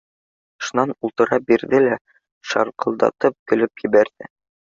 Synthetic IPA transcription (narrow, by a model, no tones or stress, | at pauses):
ʃŭnɑnulˠt̪ɤ̆ɾɑbiɾðɘlæ | ʃɑ̰ɾqʰɤ̆lˠd̪ɑ̰t̪ɤp̚kɵ̆lɵpjɘ̆βæɾðɘ̰